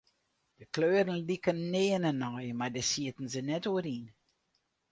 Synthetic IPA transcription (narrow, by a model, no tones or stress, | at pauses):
d̥əkløːɾənlikənːeːənɛnɔjmardəsiətn̩zənɛtoəɾin